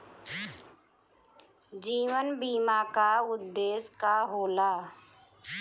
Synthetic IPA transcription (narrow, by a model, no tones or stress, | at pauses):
d͡ʒiːʋənbiːmaːkaʊd̪ːeːskaɦoːlaː